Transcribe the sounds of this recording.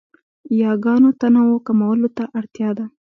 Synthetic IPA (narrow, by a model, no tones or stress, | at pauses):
jɑɡɑnot̪anawokamawəlot̪aʔaɽt̪jɑd̪a